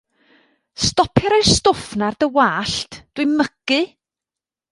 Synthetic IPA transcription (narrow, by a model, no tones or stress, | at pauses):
stɔpʰjaɾajstʊfnardəwaːɬtʰd̥wɨməɡ̥ɨ